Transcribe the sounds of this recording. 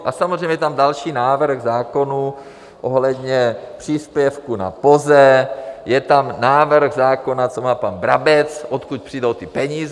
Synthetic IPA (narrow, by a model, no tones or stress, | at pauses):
ʔasamozrejɲɛjɛt̪amdalʃiːnaːvr̩xzaːko̞nu | ʔoɦlɛd̪ɲɛpr̝̥iːspjɛfkuna̰pozɛjɛt̪amnaːvr̩xzaːko̞nat͡somaːpanbɾabɛt͡sʔot̪kuc̚pr̥iːdowt̪ɪpɛɲiːz